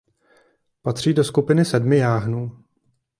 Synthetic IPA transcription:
pat̪r̝̥iːdo̞skupɪnɪsɛdmɪjaːɦnuː

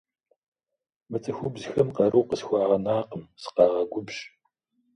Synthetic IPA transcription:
mɨt͡sʰɨxʷʊbzxɐmqɐɾuːqəsxʷɑːʁɐnaːqəmsɨ̥qɑːʁɐɡʷʊbʒ

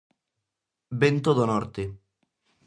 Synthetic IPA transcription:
bent̪od̪onɔɾt̪e

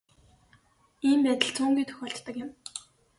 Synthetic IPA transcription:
iːmpæːt̪ə̆ɮt͡sʰuːŋɡʲijt̪ʰɵ̥xʲɔːɬt̪ːə̆kjɪ̆m

